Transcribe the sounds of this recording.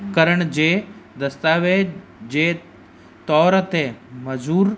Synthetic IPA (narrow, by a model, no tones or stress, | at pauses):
kəɾəɳd͡ʒed̪əst̪aːʋed͡ʒe | t̪ɔːɾt̪eməd͡ʒuːɾ